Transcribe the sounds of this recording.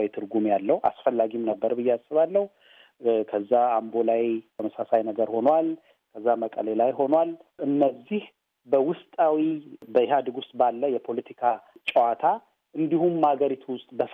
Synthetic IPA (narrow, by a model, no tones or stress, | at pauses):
wit̪ʰɨɾɡumjalːəhuʔa̰sfəlːaɡimnəbːəɾbɨjːɛasːɨβalːəhu | kʰəzːaambo̞lajt̪ʰəməsasajnəɡəɾho̞nwal | kʰəzːaməkʼə̰lelajɦo̞nwalʔɨnːəzːih | bəwʊst̪ʼawibəɦad̪ɨɡʊst̪ʼbalːəjɛpʰo̞lət̪ʰikʰat͡ʃʼəwat̪ʰa | ʔɨnd̪ihumːhaɡəɾit̪ʰuwʊst̪ʼbəf